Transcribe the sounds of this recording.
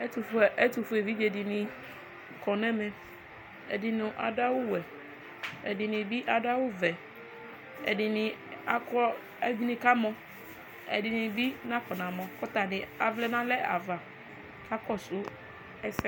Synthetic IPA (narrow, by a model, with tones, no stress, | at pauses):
ɛ˦t̪u˨fɛ˦t̪u˨fu˨˦ɛ˨vi˦d͡ʒe˨di˨nĩ˨ | kɔ˨nɛ̃˦mɛ̃˨ | ɛ̰˨di˨nʊ̃˨ʔa̰˨ɖa˦wo˦wɛ˨ | ɛ̰˨di˨nĩ˨bi˦ʔa˨ɖa˦wo˦vɛ˨ | ɛ̰˨ɖi˨nɪ̃˨a˦kɔ˦ | ɛ˦ɡnĩ˦ka˦mɔ̃˦ | ɛ̰˨di˨nĩ˨bi˦nã˦kɔ˨nã˨mɔ̃˨kɔ˦t̪a˨nɪ̃˨a˨vlɛ˦nã˦lɛ˦a̰˨va˨ | ka˦kɔ˦sʊ˦ | ɛ˦sɛ˦